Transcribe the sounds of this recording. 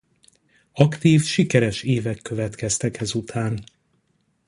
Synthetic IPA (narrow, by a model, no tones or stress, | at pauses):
ɒkt̪iːfʃikɛɾɛʃeːvɛkːø̞vɛt̪kɛst̪ɛkhɛzut̪ʰaːn